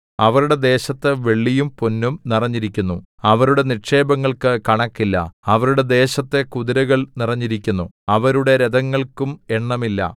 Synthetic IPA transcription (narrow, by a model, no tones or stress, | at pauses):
ɐʋɐɾuɽe̞d̪e̞ːɕɐt̪ːeʋe̞ɭːijumponːumnirɐɲːiɾikʲːunːu | ɐʋɐɾuɽe̞niʈʂe̞ːbɐŋːɐɭkɨkɐɳɐkːilːɐ̰ɐʋɐɾuɽe̞d̪e̞ːɕɐt̪ːe̞kuðiɾɐɣɐɭnirɐɲːiɾikʲːunːuɐʋɐɾuɽe̞ɾed̪ɐŋːɐɭkume̞ɳːɐmilːɐ̰